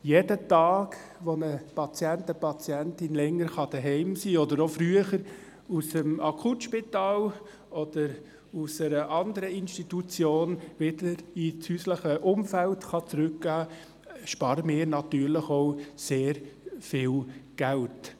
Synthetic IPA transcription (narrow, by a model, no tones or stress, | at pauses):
jedətɑːɡ | ʋonəpɑt͡sjɛntəpɑt͡sjɛntɪnlɛŋːəɾχɑd̥əɦɛɪmsiːɔdəɾofɾyəχəɾ | usəmɑkʰχutʃpitɑːl | ɔd̥əɾ | usəɾəʔɑndəɾəinʃtitut͡sjoːnʋɪd̥əɾit͡shyːsləχəʔʊmfæltχɑt͡sɾʏkɡ̥æː | ʃpɑːɾəmɪːɾnɑtyːɾlɪχoʊseːɾfɪːlɡ̥ælt